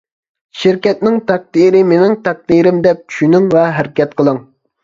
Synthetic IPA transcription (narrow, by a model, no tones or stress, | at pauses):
ʃɪɾkʲɛt̪̚nɪŋt̪ʰæk̚d̪iɾɪmenɪŋt̪ʰæk̚d̪iːɾɪmd̪ɛp̚t͡ʃʰy̥ʃynɪŋvɛɦæɾɪkʲɛt̪̚qʰəlˠɨŋ